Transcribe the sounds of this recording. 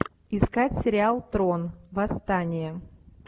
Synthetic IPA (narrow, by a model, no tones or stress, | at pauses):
ɪskatʲsʲɪɾʲɪalˠt̪ɾonvɐst̪anʲɪjə